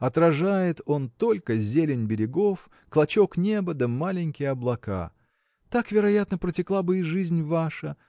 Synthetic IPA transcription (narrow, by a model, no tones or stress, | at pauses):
ɐt̪ɾɐʐajɪt̪o̞nt̪o̞lʲkəzʲelʲɪnʲbʲɪɾʲɪɡof | klˠɐt͡ɕoknʲebəd̪əmalʲɪnʲkʲɪjɐblˠɐka̰ | t̪akvʲɪɾɐjat̪nəpɾətʲɪklˠabɨiʐɨzʲnʲvaʂə